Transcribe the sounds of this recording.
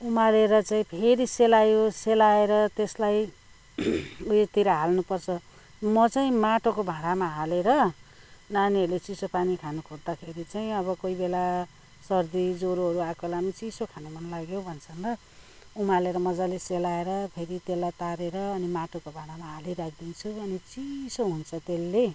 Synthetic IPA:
umaleɾʌt͡saĩpʰeɾiselajoselaeɾʌt̪eslaj | uet̪iɾʌɦalnupʌrt͡sʰʌ | mʌt͡saĩmaʈokobʱãɽamaɦaleɾʌ | naniʌrlet͡sisopanikʰanukʰord̪akʰeɾit͡saĩʌβʌkojbela | sʌrd̪id͡zoɾuɦʌɾuakolamʌt͡sisokʰanumʌnlaɡjobʱʌnt͡sʰʌnrʌ | umaleɾʌmʌd͡zaleselaeɾʌpʰeɾit̪elːat̪aɾeɾʌːnimaʈokobʱãɽamaɦaleɾakʰd̪int͡sʰuʌnit͡sisoɦunt͡sʰʌt̪elːe

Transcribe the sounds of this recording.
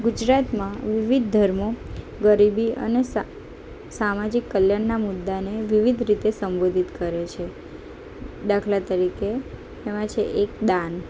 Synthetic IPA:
ɡud͡ʒɾat̪mãʋiʋid̪̚ːʱəɾmo | ɡəɾibiə̰nes | samad͡ʒikːəljaɳnamud̪ːaneʋiʋid̪ʱɾit̪esəmbod̪ʱit̪kəɾet͡ʃʰe | d̪akʰlat̪əɾike | emãt͡ʃʰeʔekd̪an

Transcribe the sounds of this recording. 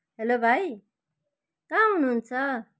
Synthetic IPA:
ɦelobʱaj | kãɦunuɦnt͡sʰʌ

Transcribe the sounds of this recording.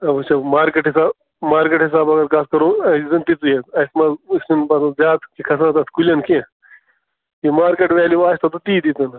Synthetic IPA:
ɐbut͡ʃʰɐmaːɾkeʈɦisaːb | maːɾkeʈɦis̬aːbɐɡɐɾkaːskɐɾoːɐizɐnt̪it͡s̪ujet̪ɐsmɐzismɐnbɐt̪ɐzʲaːt̪kikʰɐsãːnt̪ɐt̪kulʲɐnkʰẽ | imaːɾkeʈʋeːliʋaːsʲt̪ɐt̪ut̪iːd̪it̪ɐn

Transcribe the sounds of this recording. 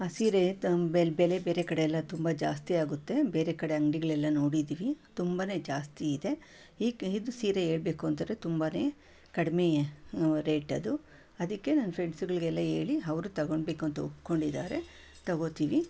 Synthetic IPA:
aːsiːɾeebɛlebe̞ːɾe̞kɐɽeːlːɐt̪umbɐd͡ʒaːst̪iaːɡut̪ːe̞be̞ːɾe̞kɐɽe̞ɐŋɡɽiɡɐɭɛlːɐno̞ːɽid̪iːʋit̪umbane̞ːd͡ʒaːst̪iːd̪e̞ | iːkid̪usiːɾee̞ːɭbe̞ːkuɐnt̪ɐɾet̪umbane̞ː | kɐɽimejɐɾeːʈɐd̪u | ɐd̪ɐkːe̞nɐnːɐpʰɾeɳsuɡɐɭiɡɛlːɐe̞ːɭiɐʋɾut̪ɐɡo̞ɳɖbe̞ːkuɐnt̪ɐupko̞ɳɖid̪aːɾe̞ | t̪ɐɡo̞ːt̪iːʋi

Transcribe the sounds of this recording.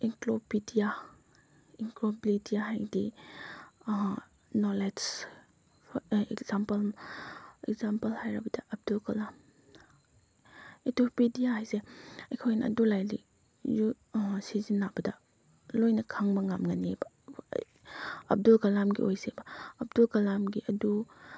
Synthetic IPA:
iŋklopidija | iŋklobilidijaɦajdi | nolesʰ | ekzampɐl | ekzampɐlhajɾɐbɐdɐʔɐb̚dulkɐlam | etopidijahajseɐjkʰojnɐ̰ɐ̰dulajlḭ | ju | sizinːabɐdɐ | lojnɐkʰaŋmɐŋamŋanebɐ̰ | ɐ̰b̚dulkɐlamɡḭʔojsebɐɐb̚dulkɐlamɡiʔɐdu

